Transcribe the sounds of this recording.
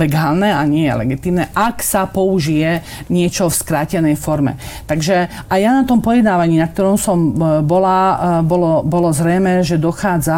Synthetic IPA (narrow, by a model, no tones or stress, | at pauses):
lɛɡaːlnɛaɲɪɛjɛ̰lɛ̰ɡit̪iːmnɛʔaksapɔuʒijɛ | ɲɪɛt͡ʃɔfskɾaːcɛnɛjfɔɾmɛ̰t̪aɡʒɛ | ʔajanat̪ɔmpɔjɛd̪naːʋaɲiːnak̚t̪ɔɾɔmsɔmbɔlabɔlɔbɔlɔzɾɛjmɛʒɛd̪ɔxaːd͡za